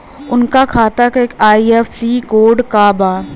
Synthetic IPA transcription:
ʊnkakʰaːt̪akeːkaːiɛːfsiːkoːɖkaːbaː

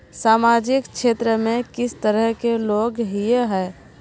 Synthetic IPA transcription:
saːmaːd͡ʒɪkʃeːt̪ɾəmẽkɪst̪əɾəɦkeloːɡɦiɦɛː

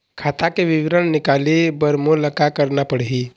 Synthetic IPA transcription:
kʰaːt̪akeʋɪʋɾənnɪkalibəɾmoləkakəɾnapəɽ̤ɦi

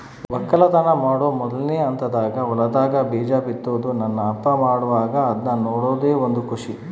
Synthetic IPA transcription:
ʋɐkːɐlɐt̪ɐnɐmaːɽoːmɔd̪ɐlneːɐnt̪ɐd̪aːɡɐɔlɐd̪aːɡɐbiːd͡ʒaːbit̪ːoːd̪unɐnːɐːpːɐmaːɽuʋaːɡɐːd̪nɐnoːɽoːd̪eːond̪ukuʂi

